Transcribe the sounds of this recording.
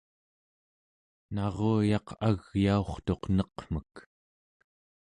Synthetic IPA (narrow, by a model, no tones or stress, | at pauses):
nɑʁoːjɑqaɣjao̞χt̪o̞qnʌqm̥ək